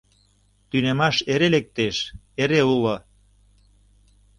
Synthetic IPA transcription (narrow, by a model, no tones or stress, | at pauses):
t̪ynemɑʃeɾelek̚t̪eʃ | eɾeulŏ